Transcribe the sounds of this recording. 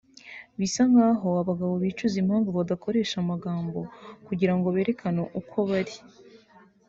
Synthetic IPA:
βisaŋɡaːɦo̞aβaɡaβo̞βiːt͡ʃuzimhaːŋɡoβaɡako̞ɾe̞ːʃamaɡaːmbo̞kuɟiɾaŋɡoβe̞ːɾe̞kʰanoʔukʰo̞βaɾi

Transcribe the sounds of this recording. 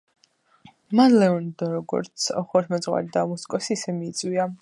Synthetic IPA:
manlɛɔnd̪ɔɾɔɡɔ̰ɾt̪sʰɔχɔɾmɛzʁwa̰ɾid̪amuskʼɔsiːsɛmiːt̪sʼwia

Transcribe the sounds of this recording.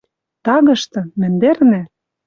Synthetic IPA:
t̪ɑɣɤ̆ʃt̪ɤ̆mɘ̆nd̪ernæ

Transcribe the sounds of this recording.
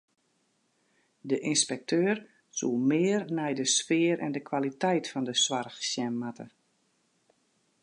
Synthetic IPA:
dəʔinspɛk̚tʰøːr | sṵmɪərnɛjdəsfɪəɾʔɛ̰ndəkʰwalitɛjtfɔndəswarxsjɛmːatə

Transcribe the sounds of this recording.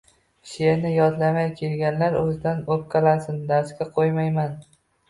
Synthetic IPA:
ʃeɾnɪjɒd̪lamajkʲʰe̞lɡʲanlaɾɵzɪd̪anop̚qʰɨlˠasɪnd̪aɾskʲaqʰojmajman

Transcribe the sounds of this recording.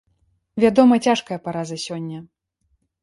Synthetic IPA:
vʲad̪ɔmɐt͡sʲaʂkɐjɐpaɾazɐsʲɔnʲːɐ

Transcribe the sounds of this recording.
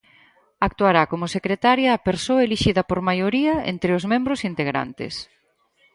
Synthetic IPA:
ak̚t̪uaɾakomʊsekɾet̪aɾjɐːpeɾsoɐeliʃiðɐpoɾmajoɾiɐḛnt̪ɾeʊzmẽmbɾʊsint̪eɣɾa̰nt̪ɪ̰s

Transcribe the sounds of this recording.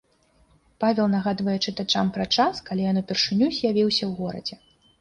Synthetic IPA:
pavʲɛlˠnɐɣad̪vɐjɛt͡ʂɨt̪at͡ʂampɾat͡ʂaskalʲijanupʲɛrʂɨnʲuzʲjavʲiwsʲɐwɣɔɾɐ̰d͡zʲɛ

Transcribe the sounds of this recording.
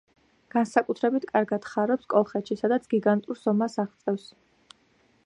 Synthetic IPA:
ɡ̥ansakʼut̪ʰɾɛbit̪ʰkʼaɾɡad̪̥χaɾɔpskʼɔlˠχɛt̪ʃisad̪at̪sʰɡ̥iɡant̪ʼuɾsɔmasaʁt̪sʼɛfs

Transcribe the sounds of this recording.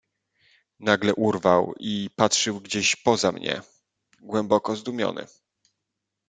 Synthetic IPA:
naɡlɛʔuɾvawipatʂɘwɡd͡ʑeɕpɔzamɲɛ̰ | ɡwɛmbɔkɔzd̪umʲjɔ̰nɘ̰

